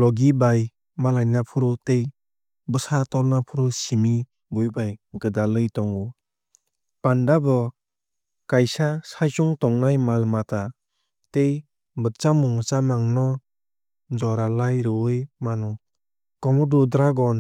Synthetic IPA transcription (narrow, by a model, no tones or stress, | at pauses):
lɔɡibaj | malajnapʰuɾɔtej | bɯsatɔlnapʰuɾɔsimi | bujbajɡɯdalɯjtɔŋu | pandabɔ | kajsasajsuŋtɔŋnajmalmata | tej | bɯtt͡ʃamuŋsamaŋnɔ | d͡ʒɔɾalajɾɯjmanɔ | kɔmɔdudɾaɡɔn